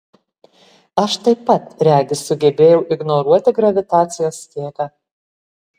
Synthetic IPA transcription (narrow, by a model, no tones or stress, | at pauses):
ɐʃt̪ɐɪpːɐt̪ɾʲæːɡʲɪsʊɡʲɛbʲeːjɛʊʔɪɡnɔɾuɔt̪ʲɪɡɾɐʋʲɪt̪ɑːt̪sʲɪjoːsk̪ʲiːkɑ